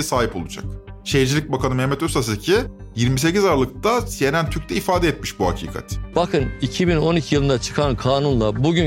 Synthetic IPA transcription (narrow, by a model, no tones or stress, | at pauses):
ɛsaːɦipo̞lˠud͡ʒa̰k̚ʃejd͡ʒilʲic̚bakʰanɯmɛhmɛt̪øsas̬cʰi | jiɾmis̬e̞cizaɾalˠɯk̚t̪asje̞nænt̪ʰyɾc̚ʲt̪ʰɛifaːd̪ɛɛt̪miʃbuɦa̰cʰḭːkʰa̰t̪b̥akʰɯnicʰibino̞nicʰijɯlˠɯnd̪at͡ʃʰɯ̥kʰankʰaːnunlˠabuɟy